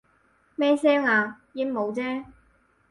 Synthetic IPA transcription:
mɛː˥sɛː˥ŋaː˨˧jiː˧˥mo˨˧wt͡sɛː˥

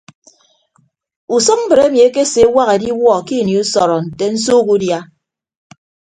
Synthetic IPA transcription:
u˨sɔ˦k̚m̩˦bɨ˨ɾe˦mi˨e˦ke˦se˨˦wa˦ɣe˨di˦wɔ˦˨ki˦˨ni˨u˦sɔ˨ɾɔ˨n̩˨te˨n̩˦s̬o˦ku˦dja˦

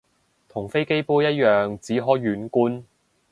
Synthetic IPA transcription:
t̪ʰʊ˨˩ŋfe˥jke˥jpuː˥jɐ˥t̚jœː˨ŋt͡siː˨˥ɦɔː˨˥jːyː˨˥nkuː˥n

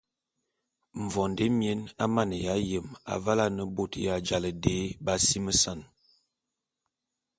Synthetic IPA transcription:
ɱ̩˨vɔ˨nde˦mje˦na˦ma˦˨nə˨ja˨˦jə˨ma̰˨va˦la˦nə˨bo˦˨tja˨d͡ʒa˨lə˨de˨˦ba˦si˦mə˦sa˦˨n

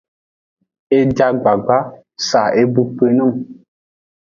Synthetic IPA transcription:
e˦d͡ʒa˦ɡ͡ba˨ɡ͡ba˦ | sa˨e˦bu˦pe˦nɔ˦˨ŋ

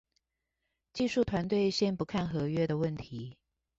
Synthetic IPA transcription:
t͡ɕi˥˧ʂu˥˩t̪ʰwa˧˦nt̪̬we˥˧ɪɕjɛ˥npu˧˦˥kʰa˥˨nxɤ˨˧˥ɥɛ˥d̪ə˨wə˥˩nt̪ʰi˨˦

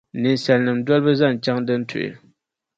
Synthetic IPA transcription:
ne˩˨nsa˨lna˨mndo˨lpə˦˨za˥˨nt͡ɕa˥˨ŋndə˨ntʰo̰˨j̰

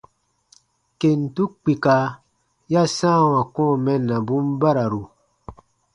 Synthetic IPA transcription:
ke˨n˨tu˦k͡pi˨ka˨ | ja˦sãː˦˨wã˨kɔ̃ː˦˨mɛ˦nːã˨bũ˦mba˦ɾa˨ɾu˨

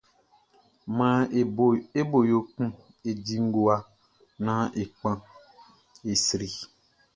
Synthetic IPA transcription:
mã˨˦ | e˦bo˨jo˨kũ˦ | e˨di˨ŋ̩˦ɡo˨a˦ | nã˨˦ʔe˨k͡pã˦ | e˨sɾi˨

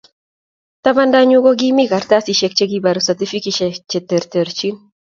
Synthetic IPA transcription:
t̪a˦ma˦nda˦ɲu˦ɡo˦ɡɪmɪɡa˨rt̪a˦si˨ʃek̚t͡ʃe˦ɡibaɾusɛ˨t̪i˦fi˦kiʃɛt͡ʃe˨t̪e˨ɾt̪e˨ɾt͡ʃi˦n

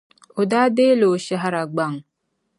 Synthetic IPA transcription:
o˨daː˦de˦lo˨ʃa˦ɦa˦ɾa˨ɡ͡ba˦˨ŋ

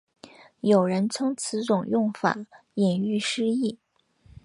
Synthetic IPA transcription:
jo˨˩ʊɻə˧˥nt͡sʰɤ˥ŋt͡sʰɹ̩˧˥ʈ͡ʂʊ˨˩ŋjʊ˥˩ŋfa̰˨˩˦ | jɛ˨˩ny˥˩ʂɻ̩˥i˥˩

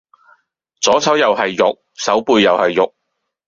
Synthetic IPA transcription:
t͡sɔː˨˥t͡sʰɐ˨˥wjɐ˨whɐ˨jːʊ˨k̚ | sɐ˨˥wpuː˧jːɐ˨whɐ˨jːʊ˨k̚

